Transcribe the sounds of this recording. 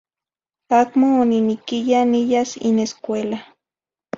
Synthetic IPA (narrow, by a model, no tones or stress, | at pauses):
akmoːninikijanijasḭneskʷela